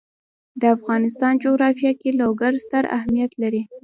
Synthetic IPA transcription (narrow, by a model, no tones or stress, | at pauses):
d̪əafɣɑnɪst̪ɑnd͡ʒoɣɾɑfjɑkeloɡaɾst̪əɾa̰hmijat̪laɾi